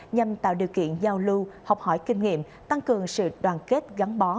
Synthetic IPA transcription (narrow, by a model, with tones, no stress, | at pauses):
ɲa˨˩mt̪a̰ː˧˨wɗi˨˩əwkḭ˧˨ənzaː˧wlu˧ha˨˩wk͡p̚hɔ˧˩jkï˧ŋ̟ŋḭ˧˨əm | t̪a˧ŋkɨ˨˩əŋsɨ̰˧˨ɗwaː˨˩nke˦˥t̚ɣa˨˦ŋɓɔ˨˦